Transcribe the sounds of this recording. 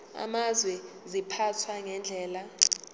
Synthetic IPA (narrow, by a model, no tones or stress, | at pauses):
a̰mazwɛ | zipʰatʰwaŋɛnd͡ɮʱɛːla